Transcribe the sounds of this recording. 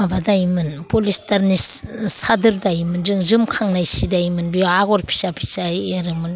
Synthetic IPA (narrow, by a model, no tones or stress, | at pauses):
abadajmɯnpolistaɾnissadɯɾdajimɯnzɯŋzɯmkʰaŋnajsidajmɯnbijaɡɔɾpʰi̥sapʰi̥sajeɾɯmɯn